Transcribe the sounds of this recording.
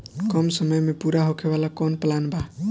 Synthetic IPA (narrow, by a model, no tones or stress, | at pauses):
kɔmsəməjmepuɾaɦokʰeβalakɔnplanba